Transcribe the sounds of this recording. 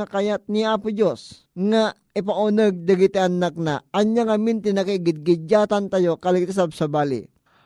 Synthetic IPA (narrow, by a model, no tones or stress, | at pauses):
ɐkɐjat̪̚niaːpʊd͡ʒos | ŋa | ɪp̬ɐʔʊnəɡ̚d̪ɐɡɪt̪iɐnak̚naʔɐɲjaŋɐmint̪ɪnakiɡɪd̪̚ɡɪd͡ʒaːt̪ant̪ajokɐlɪɡ̚t̪ɪsab̚sɐbaːlɪ̰